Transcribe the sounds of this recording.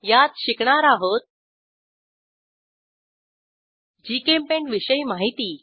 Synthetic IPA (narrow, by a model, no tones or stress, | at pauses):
jat̪̚ɕikɳaɾaɦot̪̚ | d͡ʑikempeɳʋiɕəjmaɦit̪iː